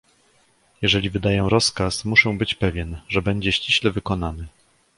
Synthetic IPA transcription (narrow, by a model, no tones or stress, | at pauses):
jɛʐɛlʲivɘd̪ajɛ̃ɾɔskasmuʂɛ̃w̃bɘt͡ɕpɛvʲjɛnʐɛbɛɲd͡ʑɛɕt͡ɕiɕlɛvɘkɔnanɘ